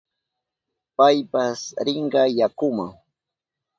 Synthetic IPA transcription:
pajpasɾɪɴɢɑjakʊma̰ŋ

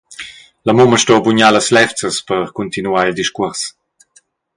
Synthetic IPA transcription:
lamuməʃtɔbuɲaləslɛft͡səspəɾkunt̪inuaild̪iʃkuɾs

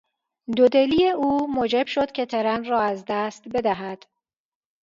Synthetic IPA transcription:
d̪od̪eliːeʔuːmoːd͡ʒeb̥ʃod̪̥kʲʰet̪ʰeɾænrɒːæzd̪æst̪be̞d̪æɦæd̪̥

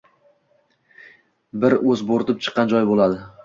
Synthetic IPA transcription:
bɪɾɵzboɾt̪ɪp̚t͡ʃʰɨ̥qʰːɑnd͡ʒɒjbolˠad̪ɪ

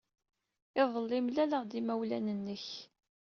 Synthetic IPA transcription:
ɪðˤəlːɪmlæləʁd̪imæwlænənːəç

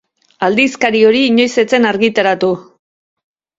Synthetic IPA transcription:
ald̪iskaɾio̞ɾiːɲo̞jse̞t͡se̞naɾɣit̪aɾat̪u

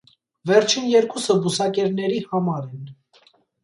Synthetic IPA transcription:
vɛɾt͡ʃʰinjɛɾkusəbusɑkɛɾnɛɾihɑmɑɾɛn

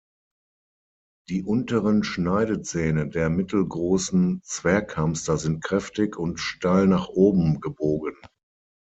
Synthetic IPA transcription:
d̥iːʔʊntəʁənʃnaɪɾət͡sɛːnədeːɐmɪtl̩ɡʁoːsn̩t͡sv̥ɛːɐkʰamstɐzɪnt̚kʁ̥ɛftɪçʊntʃtaɪlnaːχʔoːbm̩ɡəboːɡən

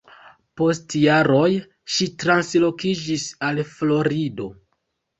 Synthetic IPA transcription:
po̞stjaɾo̞j | ʃitɾanslokid͡ʒisalflo̞ɾido̞

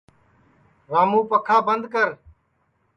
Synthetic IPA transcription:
ɾaːmũːpəkʰaːbənd̪kəɾ

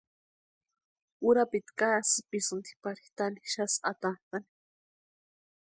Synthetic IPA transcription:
uɾapit̪kasipisɨnt̪i̥paɾixt̪aniʃasat̪ant̪ani̥

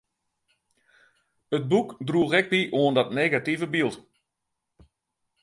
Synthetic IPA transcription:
ət̚bukdruːɣɛk̚biʔoəndɔtneːɡativəbilˠt

